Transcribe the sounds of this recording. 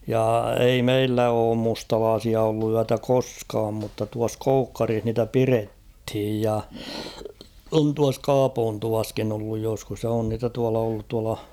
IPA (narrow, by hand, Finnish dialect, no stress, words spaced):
jɑ ei meilːæ oːm mustɑlɑːsiɑ olːu yætæ koskɑːm mutːɑ tuɑs koukːɑrih niːtæ pirethij jɑ on tuɑs kɑːpoːntuʋɑskin olːuj joskus jɑ on niːtæ tuɑlɑ olːut tuɑlɑ